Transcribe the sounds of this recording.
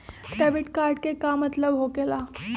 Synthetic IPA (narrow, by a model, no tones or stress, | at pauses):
ʈaʋiːʈkaɾʈ̚kekamət̪ləʋɦokela